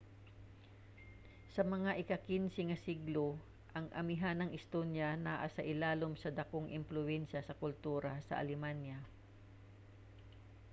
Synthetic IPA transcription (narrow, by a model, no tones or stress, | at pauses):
sɐmɐŋaʔɪkɐkinsɛŋɐsiɡlo | ʔɐŋʔɐmɪɦanɐŋɪst̪onjanaʔasɐʔɪlaːlomsɐd̪ɐkoŋʔɪmplʊʔɛnʃɐsɐkʊlt̪uːɾɐsɐ̰ʔɐ̰lɛmanjɐ